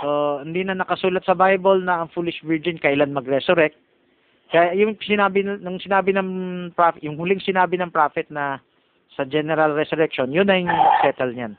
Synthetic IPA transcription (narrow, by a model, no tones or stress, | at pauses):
sohɪnd̪iːnɐnɐkɐsuːlɐt̪̚sɐbajbolnɐɐŋfuːlɪʃvɪɹd͡ʒɪnkɐʔɪlanmɐɡɾɛsʊɾɛk̚t̪̚ | kɐjajʊŋsɪnaːbɪnnʊŋsɪnaːbɪnɐŋpɹafjʊŋhʊlɪŋsɪnaːbɪnɐŋpɾaːfɪt̪̚nɐ | sɐd͡ʒɛnɛɾɐlɾɛsʊɾɛk̚ʃonjʊnɐjʊŋsɛːt̪ɛlɲan